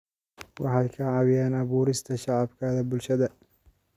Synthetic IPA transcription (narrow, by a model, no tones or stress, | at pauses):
wɑħɑjkʰɐʕɑwɪjaːnɑβuːɾɪst̪ʰɐʃɑʕɑbkʰaːðɐbʊlʃɐðɐ